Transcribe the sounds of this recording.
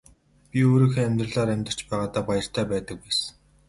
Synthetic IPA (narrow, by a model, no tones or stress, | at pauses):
pʲioːɾiːxeːæmʲt̪rə̆ɮaːɾæmʲt̪ə̆r̥t͡ɕpæːʁaːt̪aːpajə̆r̥t̪ʰæːpæːt̪ə̆k̚wæːs